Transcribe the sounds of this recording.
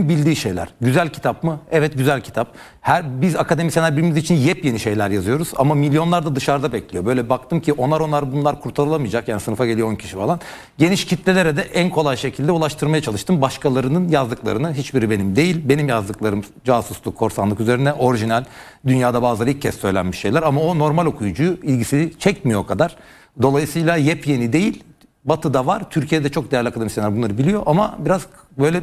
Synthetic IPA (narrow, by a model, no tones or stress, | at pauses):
bilʲd̪iːʃe̞jlʲæ̰ɾ̥ɟyzælʲcʰit̪apmɯɛvɛt̪̚ɟyzælʲcʰi̥t̪ʰap̚ | hæɾbizakʰad̪e̞misenæɾbiɾimizit͡ʃʰinjɛpje̞niʃe̞jlʲæɾjazɯjo̞ɾuza̰mamilʲjo̞nlˠaɾd̪ad̪ɯʃaɾd̪abɛclʲijo̞bø̞jlʲɛbak̚t̪ʰɯmcʰiʔo̞naɾo̞naɾɯbunlˠaɾkʰuɾt̪ʰalˠɯlˠamɯjad͡ʒakjaːnisɯnɯfaɟe̞lʲijoncʰi̥ʃifalˠan | ɟe̞niʃcʰit̪lʲelʲe̞ɾɛd̪ɛʔænkʰo̞lˠajʃe̞cʰilʲd̪ɛulˠaʃt̪ʰɯɾmajat͡ʃʰalˠɯʃt̪ɯmbaʃkʰalˠaɾɯnɯnjazd̪ɯklˠa̰ɾɯnɯɦit͡ʃbiɾibe̞nimd̪e̞jilʲbe̞nimjazd̪ɯklˠaɾɯm | d͡ʒasuslˠukʰːo̞ɾsanˠɯkyze̞ɾinɛʔo̞ɾiʒinælʲ | d̪ynjaːd̪abaːzˠailcʰːɛsːø̞jlʲæ̰nmiʃːe̞jlʲæɾamao̞no̞ɾmalʲo̞kʰujud͡ʒujuilʲɟisiit͡ʃʰɛc̚mijo̞kʰad̪aɾ̥ | d̪o̞lˠajɯsɯːlˠajɛpje̞nid̪e̞jilʲ | bat̪ʰɯd̪avaɾt̪ʰyɾcʰijed̪ɛt͡ʃʰo̞k̚d̪ejæɾlʲiakʰad̪emisenæɾbunˠaɾɯbilʲijo̞ʔamabiɾaz | bø̞jlʲɛ